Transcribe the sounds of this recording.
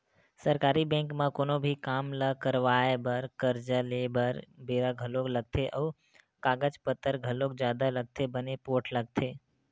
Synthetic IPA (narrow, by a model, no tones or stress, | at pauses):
səɾkaːɾibɛ̃ːŋkmãkoːnobʱikaːmləkəɾʋaːebəɾkəɾd͡ʒəlebəɾbeːɾaɡʱəlokləɡ̚t̪ʰeʔɔː | kaːɡət͡ʃpət̪ːəɾɡʱəlok̚d͡ʒjaːd̪aləɡ̚t̪ʰebənepoːʈʰləɡ̚t̪ʰeː